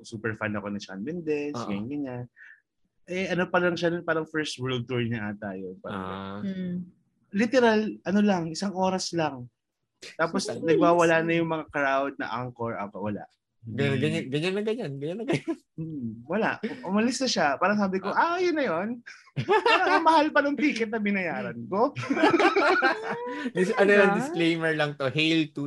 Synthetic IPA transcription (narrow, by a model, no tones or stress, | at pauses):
suːpɛɹfanɐko̞nɐt͡ʃa̰nmɪnd̪ɛsɡɐɲanɡɐɲan | ʔɛʔɐnopɐlɐŋʃad̪onpaːɾɐŋfɛɹst̪wɛɹld̪̚t̪uɹɲɐʔat̪ajopaːɾɐŋ̰ | ɪt̪ɛɾalʔɐnolɐŋʔɪsaŋʔo̞ːɾɐslaŋ | t̪aːposnɐɡwaːwɐlaːnɐjʊŋmɐŋakɾawd̪̚nɐ̰ʔaŋkoɹʔɐ̰kɐwɐla̰ʔ | ɡɐɡɐɲanɡɐɲanːɐɡɐɲanɡɐɲanːɐɡɐɲan̩ːwɐla̰ʔʔʊmɐlɪsnɐʃapaːɾɐŋs̬aːbɪkoʔajʊnːɐjon | paɾɐŋɐmɐhalpɐnʊŋp̪iːkɛt̪̚nɐmɪnɐjaːɾɐnko̞ | d̪ɪsɐnolɐŋd̪ɪskklejmɛɹlɐŋt̪ohɛjlt̪u